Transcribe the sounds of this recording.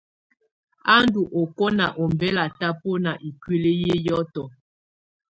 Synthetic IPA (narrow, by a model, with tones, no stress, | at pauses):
a˦ndu˨ʔo˨kɔ˦na˨ʔo˨m˨bɛ˦la˨ta˦po˦na˨ʔi˨kwe˦le˦je˦jɔ˦tɔ˨